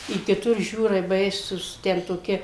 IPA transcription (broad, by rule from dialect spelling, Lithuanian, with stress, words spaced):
ɪ kʲɪˈtʊr ˈʒʲuːrɐɪ ˈbɐɪsuːs ˈtʲɛn toːˈkʲɪ